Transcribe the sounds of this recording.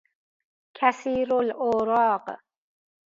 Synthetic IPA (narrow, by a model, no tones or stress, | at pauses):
kʰæsiːɾoloːɾɑːq